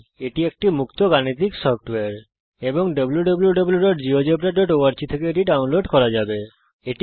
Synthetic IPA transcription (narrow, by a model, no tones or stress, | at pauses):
eʈiek̚ʈimukt̪oɡanit̪iksɔfʰʈweaɾ | eboŋɖɔbljuɖɔbuljuɖɔbuljuɖoʈd͡ʑiod͡ʑebɾeʈoʈowaɾt͡ɕit̪ʰekeeʈiɖaunloɖkɔɾad͡ʑabe | eʈ